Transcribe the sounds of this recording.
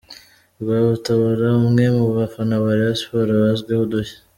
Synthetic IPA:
βaβutaβaɾaumŋe̞muβafanaβaɾiβaspoɾaβazɡwehodoçḁ

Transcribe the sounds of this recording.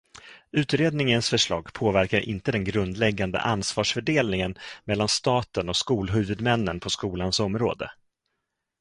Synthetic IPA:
ʉ̟ːt̪ɾeːd̪̚nɪŋənsfœʂɭɑ̰ːɡpʰoːvæɾkaɾʔɪ̰nt̪əd̪ɛnɡɾɵnd̪lɛɡːand̪ə̰ʔansvɑːʂfœɖeːlnɪŋənmɛlːanst̪ɑːt̪ənɔkskuːlɦʉ̟vɵd̪mɛnːənpʰɔskuːlansɔmɾo̰ːd̪ə̰

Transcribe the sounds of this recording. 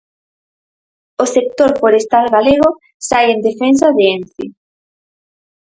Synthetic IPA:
osek̚t̪oɾfoɾest̪alɣaleɣ̞o | sajend̪efens̬aðeenθi

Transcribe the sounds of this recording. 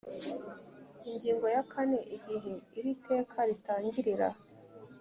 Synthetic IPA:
iɲɟiːŋɡo̞jakʰane̞ʔiɟiɦeiɾite̞ːkʰaɾitaːɲɟiɾiɾa̰

